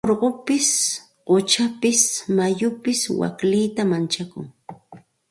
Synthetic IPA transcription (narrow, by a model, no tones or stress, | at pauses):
oɾɢopɪs | ɢot͡ʃapɪsmajʊpɪswa̰klɪjt̪amant͡ʃakʊ̰ŋ